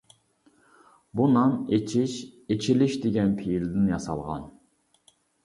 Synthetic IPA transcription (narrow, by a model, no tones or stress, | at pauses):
bunɑnet͡ʃʰiʃet͡ʃʰilɪʃd̪eɡʲɛnpʰijilɪd̪ɪnjɑsɑ̰lˠʁɑ̰n